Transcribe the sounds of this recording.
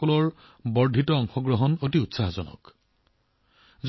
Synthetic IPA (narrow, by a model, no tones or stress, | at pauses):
kɔlɔɹ | bɔɹdʱitɔɔŋxɔɡɹɔɦɔnotiutsaɦzɔnɔ̰k | z